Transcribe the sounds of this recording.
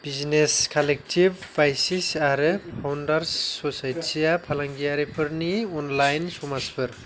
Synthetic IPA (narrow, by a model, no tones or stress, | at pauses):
b̥izneskʰalek̚tʰibːajsisaɾpʰawndaɾsɔsajtsijapʰalaŋɡijaɾipʰɯɾniɔnlajnsɔmaspʰɯɾ